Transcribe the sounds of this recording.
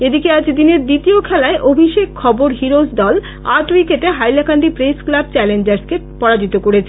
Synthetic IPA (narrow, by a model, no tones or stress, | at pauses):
ed̪ikead͡ʑd̪ineɾd̪it̪iokʰɛlaeʔobʱiʃekkʰːɔboɾɦiɾosd̪ɔl | aʈwikeʈeɦajlakanɖipɾesklab̚t͡ɕɛlend͡ʑaɾske | pɔɽad͡ʑit̪okoɽet͡ɕʰe